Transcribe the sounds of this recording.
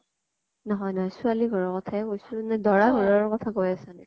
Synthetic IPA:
nɔɦɔjnɔɦɔjsualiɡʱɔɹɔɹkɔtʰaɛkojsʊnɛdɔɹaɡʱɔɹɔɹkɔtʰakojasanɛ

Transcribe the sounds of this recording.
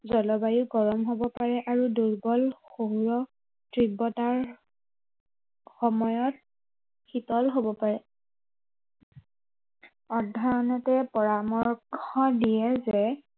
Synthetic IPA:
zɔlɔbajuɡɔɹɔmɦobɔpaɹɛʔaɹuduɹɡɔlxoɦuɹɔ | tɹibɔtaɹ | xɔmɔjɔt | xitɔlɦobɔpaɹɛ | ɔdʱːɔɹɔnɛtɛpɔɹamɔɹkʰɔdijɛzɛ

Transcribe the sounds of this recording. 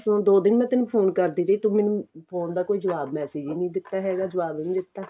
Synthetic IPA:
sõːd̪oːd̪ɪnmɛ̃ːt̪ɪnũːpʰoːnkəɾd̪iːɾəiːt̪ʊmɛ̃ːnũpʰoːnd̪aːkoːiːd͡ʒəʋaːbmɛːseːd͡ʒiːnĩːd̪ɪt̪ːaːɦɛːɡaːd͡ʒəʋaːbĩːd̪ɪt̪ːaː

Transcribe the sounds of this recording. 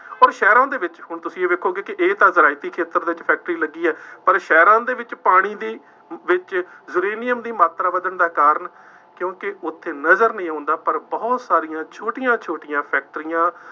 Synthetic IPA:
ɔːɾʃɛːɾãːd̪eːʋɪt͡ʃɦʊɳt̪ʊsĩːeːʋeːkʰːoːɡeːkɪʔeːt̪ãːzəɾaːɪt̪iːkʰeːt̪əɾd̪eːɪt͡ʃpʰɛːk̚ʈɾiːləɡːiːɛːpəɾʃɛːɾãːd̪eːʋɪt͡ʃpaːɽ̃iːd̪iː | ʋɪt͡ʃzʊɾeːnɪjəmd̪iːmaːt̪ɾaːʋəd̪əɳd̪aːkaːɾəɳ | kjõːkɪʊt̪ʰːeːnəzəɾnəĩːãːnd̪aːpəɾbɔːt̪saːɾɪjãːt͡ʃʰoːʈɪjãːt͡ʃʰoːʈɪjãːpʰɛːk̚ʈəɾɪjãː

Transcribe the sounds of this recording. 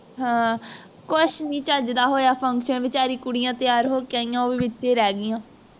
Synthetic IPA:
ɦãː | kʊʃnĩːt͡ʃəd͡ʒd̪aːɦoːjaːpʰəŋkʃənʋɪt͡ʃaːɾiːkʊɽɪjãːt̪ɪjaːɾɦoːkɛːɪjãːoːʋiːʋɪt͡ʃːeːɾɛːɡɪjãː

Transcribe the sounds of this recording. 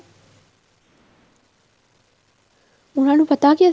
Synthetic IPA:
unanupɐt̪aːkiɐ

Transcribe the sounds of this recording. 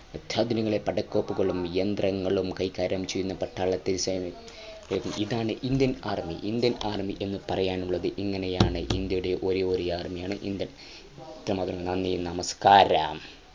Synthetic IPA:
ɐt̪ʰjaːd̪ʱiniɣɐɭepɐɽɐkːo̞ːpːuɣɐɭumijɐnd̪rɐŋːɐɭumkɐjkaːɾaːmt͡ɕːejunːɐpɐʈʰːaːɭɐt̪ːiisajn | eːkːumiðaːɳɨʔind̪jɐnaːrmḭʔind̪jɐnaːrmiʔe̞nːɨpɐrɐjaːnuɭːɐðɨʔiŋːɐnejaːɳɨʔind̪jɐjuɽe̞ʔoɾeo̞ːɾiaːrmijaːɳɨʔḭnd̪jɐn | t̪rɐmaːd̪rɐŋɐnɐnːijnɐmɐskaːɾa̰ːm

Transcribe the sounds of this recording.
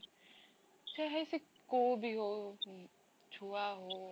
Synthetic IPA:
t͡ɕʰeɦesik | k͈obio | t͡ɕoaɦo

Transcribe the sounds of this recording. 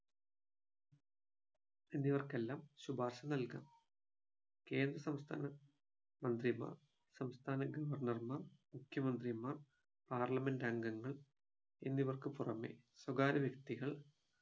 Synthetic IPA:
enːiʋɐrke̞lːaːmɕubaːrɕɐnɐlka̰ːm | ke̞ːnd̪rɐsɐmst̪ʰa̰ːnɐ | mɐnd̪rima̰ːr | sɐmst̪ʰaːnɐɡɐʋɐrnɐrmaːrmukʰjɐmɐnd̪rimaːr | paːrlɐmendɐŋɡɐŋːɐɭ | ḛnːiʋɐrkɨpurɐme̞̰swɐɡaːɾɐʋjɐkt̪iɣɐɭ

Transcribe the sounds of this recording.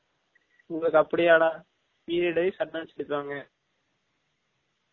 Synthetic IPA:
ʊŋɡɐɭɯkːɐpːɐɽɪjaːɽaː | piːɾɛɽɐɪsɐnːaːt͡ʃɪɽɪpːaːŋɡɐ

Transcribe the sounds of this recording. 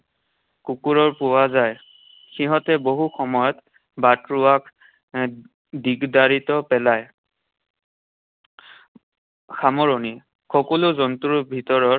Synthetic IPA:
kukuɹɔɹpuwazaj | xiɦɔtɛboɦuxɔmɔjɔt | batɹʊak | diɡdaɹitɔpɛlaj | xamɔɹoni | xɔkɔlʊzɔntuɹbʱitɔɹɔɹ

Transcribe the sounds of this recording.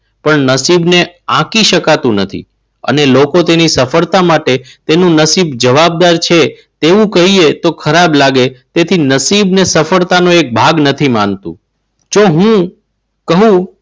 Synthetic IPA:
pəɳnəsibneãkiʃəkat̪ũnət̪ʰḭ | ə̰nelokot̪enisəfəɾt̪amaʈet̪enũnəsibd͡ʒəʋab̚d̪aɾt͡ʃʰe | t̪eʋũkəɦiet̪okʰəɾablaɡet̪et̪ʰinəsibnesəfəɾt̪anõek̚bʱaɡnət̪ʰimant̪ṵ̃ | d͡ʒoɦũ | kəɦũ

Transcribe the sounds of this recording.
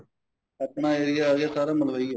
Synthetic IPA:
əpɳãːeːɾɪjaːɣjaːsaːɾaːməlɾəiːa

